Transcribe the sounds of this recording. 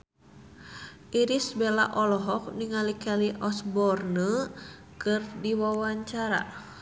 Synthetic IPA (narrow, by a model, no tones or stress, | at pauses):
ʔiɾisbela̰ʔɔlɔɦɔk̚niŋalikaliʔɔsbɔrnə | kɨrdiwawaɲt͡ʃaɾa̰